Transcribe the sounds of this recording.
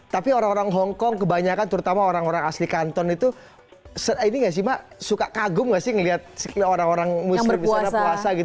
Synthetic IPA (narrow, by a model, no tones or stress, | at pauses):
t̪apioɾaŋoɾaŋɦɔŋkɔŋkəbaɲakant̪əɾut̪amaoɾaŋoɾaŋaslikant̪ɔnit̪u | səiniŋɡaʔs̬imasukakaɡʊmɡaʔsɪhŋəliat̪̚soɾaŋoɾaŋmuəmbiusanapuasaɡit̪